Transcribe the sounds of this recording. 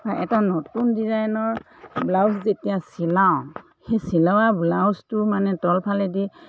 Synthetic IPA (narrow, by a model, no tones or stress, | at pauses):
baʔɛtanɔtundizajnɔɹ | blawszetijasilaw̃ | xesilawablawstʊmanɛtɔlpʰalɛdi